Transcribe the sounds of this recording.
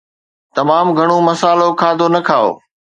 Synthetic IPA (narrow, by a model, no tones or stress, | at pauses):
t̪ɐmaːmɡʱɐɽ̃omɐsaːlokʰaːd̪ʱonɐkʰaːo̰ː